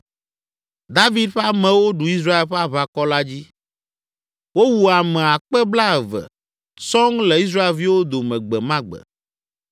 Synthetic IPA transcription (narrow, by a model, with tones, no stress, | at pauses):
d̪a˦vi˦d̪ɸe˦a˦mɛ̃˨wo˦ɖu˨i˦s̬ɾa˦e˦lɸɛ˦a˦βa˦kɔ˦la˦d͡ʑi˦ | wo˦wu˨a˨mɛ̃˨a˨k͡pɛ˦bla˦ɛ˨vɛ̰˨ | sɔ˦ŋle˨i˦s̬ɾa˦e˨lvi˦wo˦d̪o˨mɛ̃˨ɡ͡bɛ˨mã˦ɡ͡bɛ̰˨